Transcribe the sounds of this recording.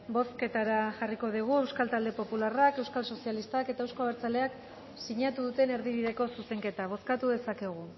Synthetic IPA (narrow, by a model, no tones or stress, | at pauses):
bo̞ske̞t̪aɾaʝariko̞ð̞iɣ̞ue̞wskalt̪ald̪epo̞pularake̞wskalso̞sialist̪ake̞t̪aewsko̞aβeɾt͡sale̞ak | siɲat̪uðut̪e̞ne̞ɾðiβ̞iðe̞ko̞suse̞ŋke̞t̪aβ̞o̞skat̪uðe̞sake̞ɣ̞u